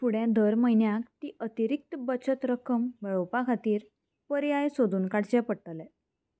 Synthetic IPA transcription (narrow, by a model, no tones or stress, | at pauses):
fuɽjãd̪əɾməinjãk̚t̪iːʔət̪iɾik̚t̪əbət͡ɕət̪ɾəkəmʋeɭopakʰat̪iːɾ | pəɾiajsod̪ʱuːnkaɽt͡ɕɛpəɽʈ̪əlɛ